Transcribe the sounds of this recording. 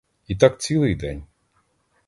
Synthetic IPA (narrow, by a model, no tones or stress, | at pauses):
it̪akt͡sʲilˠɨjd̪ɛnʲ